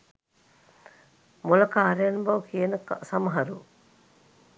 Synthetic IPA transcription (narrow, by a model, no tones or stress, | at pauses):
mulɐkaːɾejɐnubɐʋukijənəksamɐɦɐɾu